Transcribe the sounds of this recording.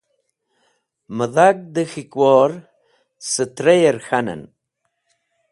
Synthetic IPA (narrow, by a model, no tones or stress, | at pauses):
məðak̚d̪əxikwoːɾ | sət̪ɾejeɾxanə̰n